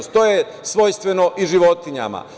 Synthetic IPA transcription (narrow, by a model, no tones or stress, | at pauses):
st̪oje | sʋo̞jst̪ʋenoʔiʒiʋo̞t̪iɲa̰ma̰